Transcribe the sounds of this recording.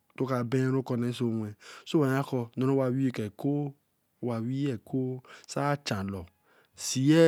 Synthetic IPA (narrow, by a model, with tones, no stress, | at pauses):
to˦ka˧bɛ̃˦ɾo˦kɔ˧nɛ˨˦sõ˧˨ɛ˨so˦wa˨˦a˦kɔ˧nɔ̃˨ɾo˦wa˧˨wi˦i˨kɛ˨ko˦˨ | wa˨wi˦ɛ˨ko˦sa˦t͡ʃã˨lɔ˨ | si˨˦ɛ˦